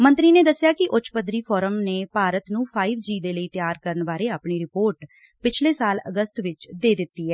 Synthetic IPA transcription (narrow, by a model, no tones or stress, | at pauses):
mə̃nt̪ɾiːneːd̪əsːjaːkɪʔʊt͡ʃʰpəd̪ɾiːpʰɔːɾəmneːpaːɾət̪nũːpʰaːɪʋd͡ʒiːd̪eːləiːt̪jaːɾkəɾənbaːɾeːaːpɳiːɾɪpoːɾʈ | pɪt͡ʃʰleːsaːlə̰ɡəst̪ʋɪt͡ʃd̪eːd̪ɪt̪ːiːɛː